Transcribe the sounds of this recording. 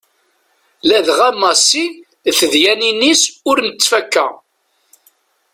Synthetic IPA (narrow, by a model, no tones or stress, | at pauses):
læðʁæmɑsi | θəðjæninisʊɾnət͡sːfækːæ̰